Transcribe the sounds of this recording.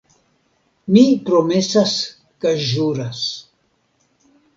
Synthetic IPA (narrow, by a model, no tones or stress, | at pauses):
mipɾomesas | kaʒuɾas